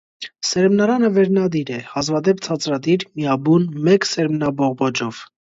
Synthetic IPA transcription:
sɛɾmnɑɾɑnəvɛɾnɑd̪iɾɛhɑzvɑd̪ɛpt͡sʰɑt͡sɾɑd̪iɾmiɑbunmɛksɛɾmnɑbɔʁbɔd͡ʒɔv̥

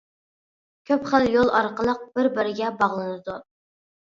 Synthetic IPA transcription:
kʲʰøpχæljolˠɑɾqəlˠəq̚b̥ɪɾbɪɾɪɡʲɛbɑʁlˠɨnɨd̪u

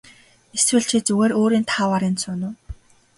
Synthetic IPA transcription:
eswɘ̆ɮt͡ɕʰiːt͡suɣeːɾoːɾiːnt̪ʰaːwaːɾɪnsʊnʊː

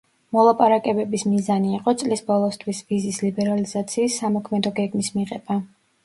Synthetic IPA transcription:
mɔlˠapʼaɾakʼɛbɛbismizaniːqʼɔt̪sʼlisbɔlˠɔst̪ʰwisvizislibɛɾalizat̪sʰiːsːamɔkʰmɛd̪ɔɡɛɡmismiʁɛb̥a

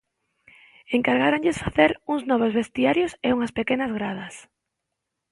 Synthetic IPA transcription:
eŋkaɾɣaɾaŋʎɪsfaθeɾuŋznɔβ̞ozβest̪iaɾjoseuŋɐspekenazɣɾað̞ɐs

